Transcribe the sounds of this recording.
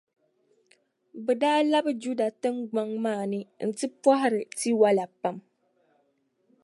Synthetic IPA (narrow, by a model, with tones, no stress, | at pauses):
bɛ˨daː˦la˦bɨ˦d͡ʒu˦da˨tɨ˦ŋɡ͡ba˦ŋmaː˦˨nɨ˦n̩˨tɨ˦pɔ˦ɦɪ˦ɾɨ˨ti˦wa˦la˨pa˦m